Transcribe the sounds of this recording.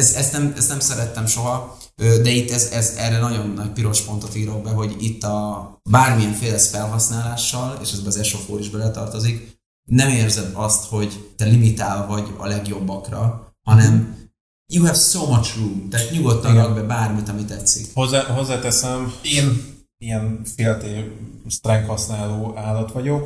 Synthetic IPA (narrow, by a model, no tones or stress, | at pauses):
ɛzɛst̪nɛmɛst̪nɛmsɛɾɛt̪ːɛmʃo̞ɦɒ | øːd̪ɛit̪ːɛzɛzɛrɛnɒɟo̞nːɒc̚piɾo̞ʃpo̞nt̪ɒfiɡɾoɡ̚bɛɦo̞ɟit̪ːɒbaːrmijɛɱfeːlɛsfɛlɦɒsnaːlaːʃːɒlḛːʃɛzbɛːzɛʃofoːɾiʒbɛlɛt̪ɒrt̪o̞zik | nɛmeːrzɛd̪ɒst̪ho̞ɟt̪ɛlimit̪aːlvɒɟɒ̰lɛɡjo̞bːɒkrɒhɒnɛm | juɦɛfsomɒt͡ʃrumt̪aːt̪ɲuɡo̞t̪nɒɡɒɡ̚bɛbaːrmit̪ɒmit̪ɛt̪sːḭkhozːaɦo̞zːaːt̪ɛsɛmeːn | ijɛnfeːlt̪eːst̪rɛŋkhɒsnaːloːaːlːɒt̪ʋɒɟok